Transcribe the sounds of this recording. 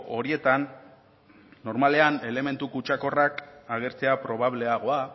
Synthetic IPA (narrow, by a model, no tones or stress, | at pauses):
o̞ɾie̞t̪an | o̞ɾmale̞ane̞le̞me̞nt̪ukut͡ʃako̞rakaɣ̞e̞ɾt͡se̞apɾo̞β̞aβ̞le̞aɣ̞o̞a